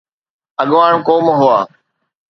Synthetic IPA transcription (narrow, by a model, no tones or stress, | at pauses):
əɠʋaːɳ̃koːmɦʊaː